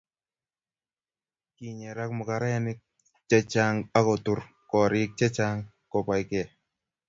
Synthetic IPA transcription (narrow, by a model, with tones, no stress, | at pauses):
ki˨ɲɛ˨ɾa˦kmʊ˨ka˨ɾa˦ja˦nɪ˦k̚ | t͡ʃɛ˦t͡ʃa˦ŋa˦kɔ˨tu˨ɾ | kɔ˨ɾɪ˦k̚t͡ʃɛ˦t͡ʃa˦ŋ | kɔ˨pa˨jkɛ˨